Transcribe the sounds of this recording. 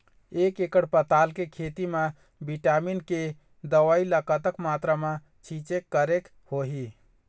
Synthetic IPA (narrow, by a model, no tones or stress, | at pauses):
ekekəɽpət̪alkekʰet̪ime | biʈaminke | d̪əwailəkət̪əkmat̪ɾəme | t͡ʃʰĩt͡ʃekːəɾek | hoɦi